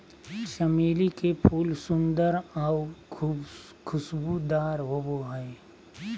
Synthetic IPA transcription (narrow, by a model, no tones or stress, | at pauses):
ʃɐmeːlikepʰuːlsʊ̃nd̪əɾawʰub | kʰʊsbud̪aːɾɦoboɦɛe